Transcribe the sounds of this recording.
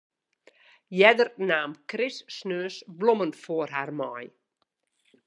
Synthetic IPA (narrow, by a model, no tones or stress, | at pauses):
jɛdərnaːmkrɪsːnøːsblɔmənfoərɦarmɔj